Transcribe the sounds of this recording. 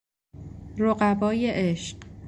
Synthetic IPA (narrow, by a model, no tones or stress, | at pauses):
ɾoɢæbɒːje̞ʔeʃɢ